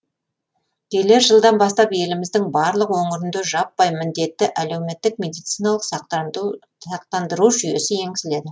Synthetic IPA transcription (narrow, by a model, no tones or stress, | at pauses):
kʲʰe̞le̞ɾʒəlˠd̪ɑnbɑst̪ɑpe̞lɪmɪzd̪ɪŋbɑɾlˠəqwoɴəɾʏnd̪øʒɑpːɑjmɪnd̪e̞t̪ːɪʔæle̞wme̞t̪ːɪk̚me̞d̪ijt̪sijnɑlˠəq | ɑq̚t̪ɑnd̪əɾuʒʏje̞sɪje̞ŋɡʲɪsɪle̞d̪ɪ